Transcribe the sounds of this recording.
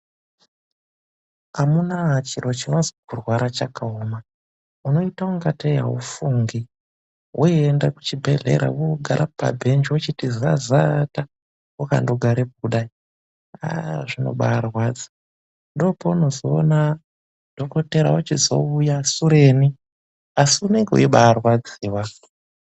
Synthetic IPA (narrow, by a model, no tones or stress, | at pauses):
amunat͡ʃiɾo̞t͡ʃino̞zikurwaɾat͡ʃakʰaoma | uno̞itauŋɡatʰeja̰ṵfuŋɡi | wuiendaku̥t͡ʃibʱe̞ɮe̞̰ɾa̰wuɡʱaɾʔapa̰bʱe̞nd͡ʒwut͡ʃitizazata | wuka̰ndoɡʱaɾek̚uɗai | a̰ʐino̞̰ɓaːrwaːd͡zḁ | ndo̞pouno̞zoːna | d̥ʱoko̞te̞ɾa̰wut͡ʃizo̞̰ujasuɾe̞ːni | asiune̞ŋɡeṵiɓaːrwad͡ziːwa